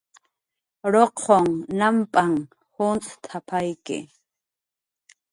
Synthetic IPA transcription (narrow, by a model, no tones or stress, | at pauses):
ɾoqʰoŋnampʼaŋ | hʊnt͡sʼt̪ʰapʰajkɪ̰